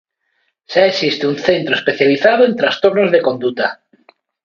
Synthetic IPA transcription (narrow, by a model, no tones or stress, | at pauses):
saesist̪eunθe̞nt̪ɾoespe̞θjaliθað̞oe̞nt̪ɾast̪o̞ɾnozðe̞ko̞nd̪ut̪a